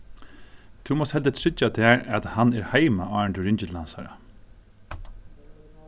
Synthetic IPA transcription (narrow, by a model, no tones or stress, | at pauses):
t̪ʰuːmɔst̪hɛlt̪ət̪ʰɹɪt͡ʃːat̪ʰæːɹat̪hanɛɹhaɪmaɑːɹɳt̪ɪɹɪɲt͡ʃɪt̪ʰla̰nsa̰ɾa̰